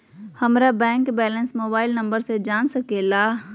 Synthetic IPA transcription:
həmɾabɛ̃ːŋkbɛːlənsmoːbaːɪlnə̃mbəɾsed͡ʒaːnsəkeːla

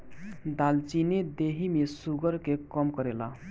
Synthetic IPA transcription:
d̪alt͡ʃined̪eɦimesuɡəɾkekɔmkəɾela

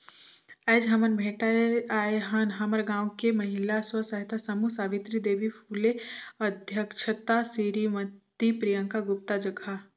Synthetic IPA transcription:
ɛːd͡ʒɦɐmənbʱeːʈaaːeɦɐnɦɐməɾɡãːwkemɐɦɪlaswəsɐɦt̪asɐmusaːʋit̪ɾid̪eːʋipʰuːleɐd̪ʱjəkʃʰət̪asiɾimɐttt̪ːipɾijə̃ŋkaɡʊp̚t̪ad͡ʒɐɡʱa

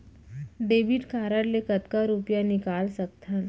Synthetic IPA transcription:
ɖeʋiːʈkaɾaɽlekət̪kaɾupjanikalsək̚t̪ʰan

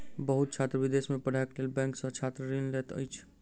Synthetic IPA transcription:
bəɦut̪̚t͡ʃʰat̪ɾəbid̪esmepəɽ̤akelelbɛ̃ŋksə̃t͡ʃʰat̪ɾəɾinlet̪ə̰jt͡ʃʰ

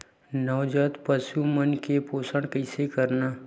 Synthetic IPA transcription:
nɔwd͡ʒət̪pəsumənkepoːsəɳkəɪsekəɾnaː

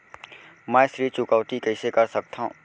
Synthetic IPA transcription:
mɛ̃ːʃɾiːt͡ʃʊkəʋt̪ikɛɪsekɐɾsɐk̚t̪aɦṵ̃ː

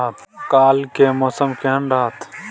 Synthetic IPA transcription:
t̪kaːlkemɔːsəmkeɦənɖaɦt̪

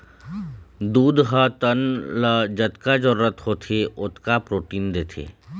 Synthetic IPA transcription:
d̪uːd̪ɦət̪ənləd͡ʒət̪kad͡ʒəɾɾət̪hot̪ʰeʊt̪kapɾoːʈiːnd̪eːt̪ʰḛː

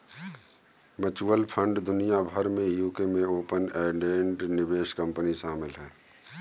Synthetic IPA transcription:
mət͡ʃuːəlpʰə̃ɳɖd̪ʊnijabʱəɾmẽjuːkemẽoːpənɛːɖẽːɳʈnɪbeːʃkə̃mpəniʃaːmɪlɦɛː

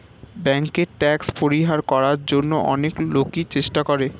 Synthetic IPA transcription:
bɛŋkeɾʈɛkspoɾiɦaɾkɔɾaɾd͡ʑonːoʔɔneklokit͡ɕeʃʈakoɾe

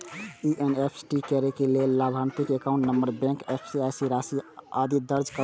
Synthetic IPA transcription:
iʔenepʰsʈikɛɾekelelːabʱant̪ikekaʊ̃ɳʈnəmbəɾbɛ̃ŋkepʰsiajsiɾasiad̪id̪əɾd͡ʒkə

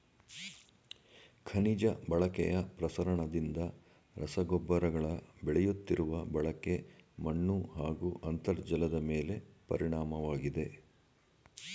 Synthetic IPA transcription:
kʰɐnid͡ʒɐbɐɭɐkɛ̰jɐpɾɐsɐɾɐɳɐd̪ind̪ɐ | ɾɐsɐɡɔbːɐɾɐɡɐɭɐbɛɭɛjut̪ːiɾuʋɐbɐɭɐke̞mɐɳːuɦaːɡuʔɐnt̪ɐɾd͡ʒɐlɐd̪ɐmeːle̞pɐ̰ɾiɳaːmɐʋaːɡid̪e̞

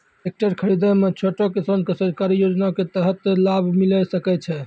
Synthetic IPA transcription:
ek̚ʈəɾkʰəɾid̪əmet͡ʃʰoʈokesənkesəɾkaɾijod͡ʒnaket̪əɦət̪labʱmiləsəkɛt͡ʃʰɛ

